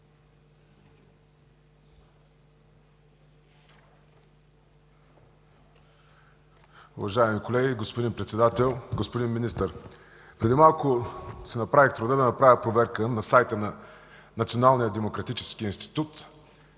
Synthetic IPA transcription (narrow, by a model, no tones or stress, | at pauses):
ʊ̰vɐʒaɛmikolɛɡʲiɡospod̪inpɾɛt̪sɛd̪at̪ɛlˠɡospod̪inminist̪əɾ | pɾɛd̪imalˠkʊsɛnɐpɾavixt̪ɾʊd̪əd̪ɐnɐpɾavʲəpɾovɛɾkənɐsajt̪ənɐ | nɐt̪sionalˠnijəd̪ɛmokɾɐt̪it͡ʃɛskiinst̪i̥t̪ut̪